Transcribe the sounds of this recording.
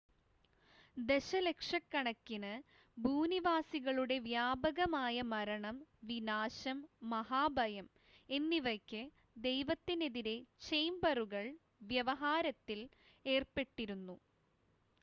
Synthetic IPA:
d̪e̞ɕɐlekʂɐkːɐɳɐkːinɨ | bʱuːniʋaːsiɣɐɭuɽe̞ʋjaːbɐɣɐmaːjɐmɐɾɐɳɐmʋinaːɕɐmːɐɦaːbʱɐjɐm | e̞nːiʋɐkʲːɨ | d̪ejʋɐt̪ːine̞ðiɾe̞t͡ɕejmbɐruɣɐɭ | ʋjɐʋɐɦaːɾɐt̪ːil | e̞ːrpe̞ʈːiɾunːu

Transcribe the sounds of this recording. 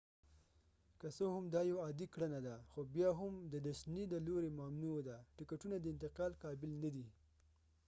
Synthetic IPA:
kəsohʊmd̪ɑjowɑd̪ikɽanad̪axobjɑɦʊmd̪əd̪aʃnid̪əloɾemamnud̪aʈɪkaʈunad̪əɪnt̪ɪqɑlkɑbɪlnad̪i

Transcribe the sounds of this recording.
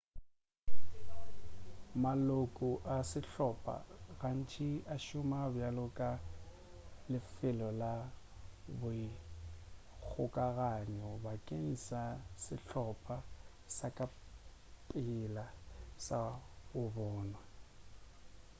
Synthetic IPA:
malokʼʊʔasɪɬɔpʼa̰ɣan̩t͡ʃʼiaʃʊmabjalʊkʼa | lɪfɪlɔla | bʊɪ | k͡xʰʊkʼaɣaɲɛʊbakʼen̩sasɪɬɔpʼa | sakʼa | pʼɪlasaʊbɔːnwa

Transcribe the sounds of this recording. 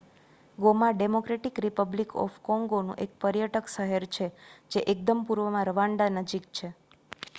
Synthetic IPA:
ɡomaɖemokɾeʈikɾipəblikʰɔ̰fkɔ̃ŋɡonṵ̃ʔek̚pəɾjəʈəkʃəɦeɾt͡ʃʰed͡ʒeʔek̚d̪əmpuɾʋəmãɾəʋãɳɖanəd͡ʒik̚t͡ʃʰe

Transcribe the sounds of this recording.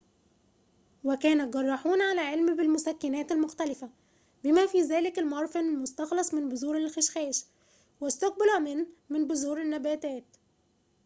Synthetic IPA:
wɪkæːnæɡɑrˤːɑħuːnʕalæːʕelmbɪlmʊsækːɪnæːt̪ɪlmʊxt̪ælɪfæ | bɪmæfiːzæːlɪkɪlmɑɾˤfɪnlmʊst̪ɑxlɑsˤmɪnbʊzuːɾɪlxɪʃxæːʃ | wɪst̪ʊq̚bɪlumɪnmɪnbʊzuːɾɪnːæbæːt̪æːt̪

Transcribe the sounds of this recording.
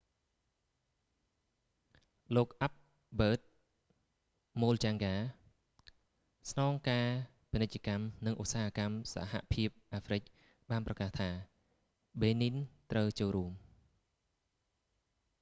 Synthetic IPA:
loːk̚ʔap̚ | ɓəːt̪̚ | moːlt͡ɕaːŋɡaː | snɑːŋkaː | pinɨc̚t͡ɕə̆kamnɨŋʔusaːhakamsa̰ɦa̰ʔpʰiəp̚ʔaːfrɨc̚ | ɓaːnprɑkaht̪ʰaː | ɓeːnint̪rəwt͡ɕoːlɾuəm

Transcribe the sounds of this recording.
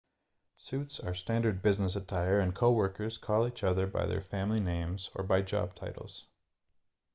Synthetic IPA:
sʉtsə˞stæ̃ndə˞d̚bɪznəs̬ətʰaɪə˞ɨ̃nkʰoʊwɜ˞kə˞z̥kʰɔlˠit͡ʃʌðə˞ba̰ɪðə̰˞fæ̃mlinẽɪ̃mzə̰˞baɪd͡ʒɑ̰b̚tʰaɪɾl̩ˠz̥

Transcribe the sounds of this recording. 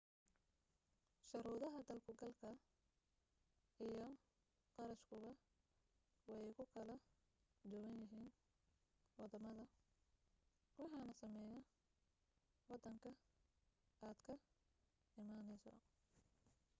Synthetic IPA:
ʃɐɾuːðɐɦɐd̪ɐlkʰʊɡɐlkʰɐ | ijɔ | qɑɾɐʃkʰʊɣɐ | wɑjkʰʊkʰɐlɐ | d͡ʒɔɣɐnjɪɦiːn | wɑd̪ɐmɐðɐ | wɑħɑːnɐsɐmɛːjɐ | wɑd̪ɐŋkʰɐ | aːd̪kʰɐ | ɪmaːnɛjsɔ̰

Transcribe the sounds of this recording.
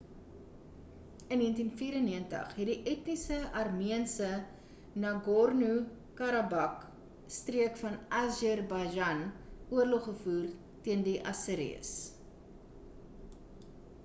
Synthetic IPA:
ənːiəntinfiːɾənːiəntə̰χɦɛt̚diʔɛtnisəɐrmiənsə | nɐɡɔrnu | kɐɾɐbɐk | striəkfɐnɐʒɛrbɐʒɐnuərlɔχːəfuːr | tiəndiʔɐ̰səɾḭə̰s

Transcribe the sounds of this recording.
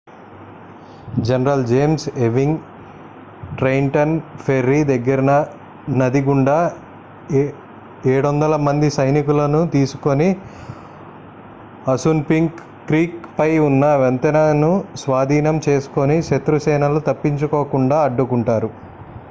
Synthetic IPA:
d͡ʒenɐɾɐld͡ʒeːmseʋiŋɡ | ʈɾɐjɳʈɐnpʰeɾːid̪ɐɡːɐɾɐnɐ | nɐd̪iɡuɳɖa | eːɽond̪ɐlɐmɐnd̪isɐjnikulɐnut̪iːsu̥ko̞ni | ɐsunpiŋkː | ɾiːkpɐjunːɐʋent̪ɐnɐnusʋaːd̪ʱiːnɐmt͡ʃe̞ːsu̥ko̞niʃet̪ɾusɛːnɐlut̪ɐpːiɲt͡ʃukoːkuɳɖaːɐɖːukuɳʈaːɾu

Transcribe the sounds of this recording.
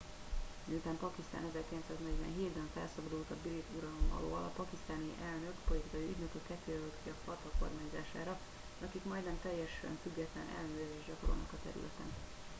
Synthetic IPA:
miut̪aːmpɒkist̪a̰ːnɛzɛrkilɛnt̪saːznɛɟvɛ̰nɦeːd̪bɛnfɛlsɒbɒd̪ult̪ɒbiɾit̪uɾɒlo̞mɒ̰lo̰ːlɒpɒkist̪aːniʔɛlnø̞kpo̞lit̪ikɒjiy̰ɟ̪nøkøkɛt̪ːøːɛløk̪kiɒfɒt̪ɒko̞̰rmaːɲzaːʃa̰ːɾɒ | ɒkikmɒjd̪nɛmt̪ɛjːɛʃɛ̰ɱfyɡːɛt̪lɛnʔɛ̰lnøːɛzeːʒɟɒkoɾo̰nɒkɒt̪ɛ̰ɾy̰lʔɛ̰t̪ɛ̰n

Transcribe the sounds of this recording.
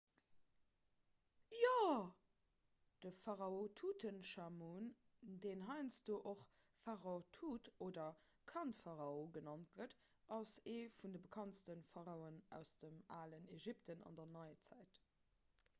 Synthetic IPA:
jaː | d̥əfaʁɑotʰutʰənʃamuːndeːnɦɑɪnt͡sd̥oːʔoχ | faʁaotʰutoːdɐ | kʰɑntfaʁɑoɡənɑnt̚ɡət | ɑseːfundəbəkʰɑntstənfɑʁɑʊənæ̰ʊsd̥əmaːləneʒiptənɑ̰ndɐnɑɪət͡sæɪt

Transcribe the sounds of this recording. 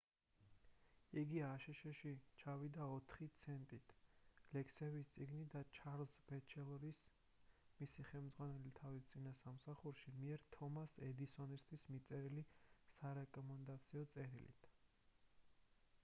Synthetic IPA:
iɡiaːʃɛʃɛʃit͡ʃʰavid̪aɔt̪ʰχit̪sʰɛnt̪ʼit̪ʰlɛkʰsɛvist̪sʼiɡnid̪at͡ʃʰaɾlsbɛt͡ʃʰɛlˠɔɾis | misiχɛlmd̪zʁwanɛlit̪ʰavist̪sʼinasamsaχuɾʃimiɛɾt̪ʰɔmasɛd̪isɔnist̪ʰwismit̪sʼɛɾilisaɾɛkʼɔmɛnd̪at̪sʰiɔt̪sʼɛɾilḭt̪ʰ

